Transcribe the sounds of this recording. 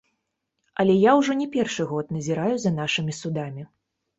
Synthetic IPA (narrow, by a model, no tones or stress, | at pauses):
ɐlʲɛjawʐɔnʲɛpʲɛrʂɨɣɔt̪nɐzʲiɾajuzɐnaʂɨmʲisud̪amʲi